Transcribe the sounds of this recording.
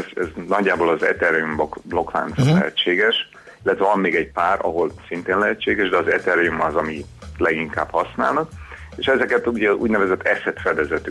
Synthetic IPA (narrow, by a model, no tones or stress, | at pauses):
zɛznɒɟːaːboːlɒzɛ̰t̪ɛɾɛjumbokblo̞kʋa̰ːnt̪sɒt̪lɛ̰ɦɛt͡ʃːeːɡɛʃ | ilːɛt̪ʋɛvɒmːeːɡɛɟpaːrɒ̰ɦo̞lsint̪eːnlɛɦɛt͡ʃːeːɡɛʒd̪ɛɒzɛ̰t̪ɛɾɛjumɒzɒmilɛɡiŋka̰ːbhɒsnaːlnɒkeʃɛzɛkɛt̪uɟɛṵːɟnɛvɛzɛt̪ːɛsɛt̪fɛd̪ɛzɛt̪ːy